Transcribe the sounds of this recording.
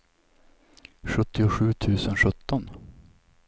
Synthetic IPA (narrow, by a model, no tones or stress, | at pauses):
ɧɵt̪ːɪʊɧʉ̟ːt̪ʰʉ̟ːsənɧɵt̪ːɔn